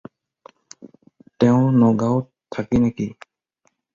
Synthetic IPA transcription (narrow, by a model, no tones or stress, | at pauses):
t̪ɛw̃nɔɡaw | t̪ʰakinaki